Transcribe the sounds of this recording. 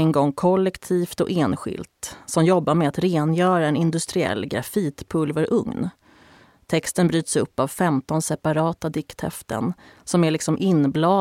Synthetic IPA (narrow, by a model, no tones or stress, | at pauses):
ɛŋɡɔŋːkʰɔlːɛkt̪ʰiːft̪ɔ̰ʔeːnɧɪ̰lt̪sɔmjɔbːaɾmɛat̪ɾeːnjœːɾaɛnɪnd̪ɵst̪ɾɪɛ̰lːɡɾa̰fiːt̪pʰɵlvəɾʔɵ̰ŋn | t̪ʰɛkst̪ənbɾyːt̪sɵpːavfɛmt̪ɔnsɛpaɾɑːt̪ad̪ɪkt̪hɛ̰ft̪ʰə̰nsɔmæɭɪksɔmʔɪnːblɑː